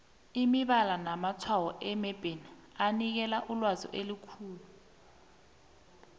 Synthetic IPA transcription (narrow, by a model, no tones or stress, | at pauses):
imiɓalanamat͡sʰwawɔʔɛmɛb̥ʱeni | anik̬ɛlaʔulwazɔ̰ʔelukʰuːlu